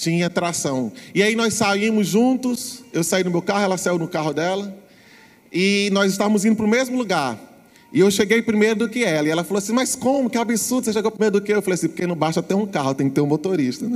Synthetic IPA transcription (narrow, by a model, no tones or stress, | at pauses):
t͡ʃĩɲɐat̪ɾasɐ̃w̃ɪainɔsaĩmʊzʒũt̪ʊsewsaid̪ʊmewkahʊɛlɐsaiwnʊkaɦʊd̪ɛlɐ | ɪnɔzɪst̪avɐ̃mʊzĩnd̪ʊp̬ɾʊmezmʊluɡaɾ | ɪewʃeɡejpɾimejɾʊd̪ʊkɪɛlɐɪɛlɐfaloasĩmɐskõmʊkɪabisuɾd̪ʊseʃeɡowpɾimejɾʊd̪ʊkɪewfalejasĩpʊoɾkenɐ̃w̃baʃt̪ɐat̪eũkahʊt̪ẽj̃kɪt̪eɾũmot̪oɾiʃt̪ɐnɛ